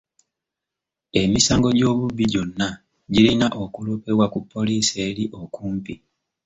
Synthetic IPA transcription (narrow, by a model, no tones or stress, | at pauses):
e̞misaːŋɡo̞ɟo̞ːβuβːiɟo̞nːa | ɟilinaʔo̞kulupewakupːo̞liseːliʔo̞kuːmpi